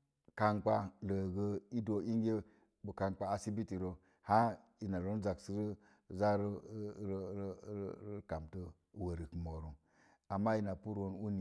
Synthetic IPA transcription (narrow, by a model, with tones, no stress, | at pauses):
ka˨ŋk͡pa˦lə˨ɡə˦i˦do˨i˦ŋ˦ɡʲe˦ | bo˨ka˨ŋk͡paː˦si˦bi˦ti˨ɾo˨ | ha˦ | i˨na˨ɾo˦n˦za˨ksi˦ɾi˦ | za˦ɾɾɾɾɾka˨mtə˦ | wo˨ɾi˨kmo˨ɾu˨ | a˨mːa˦i˨na˨pu˦ɾo˦n˦u˦ni˨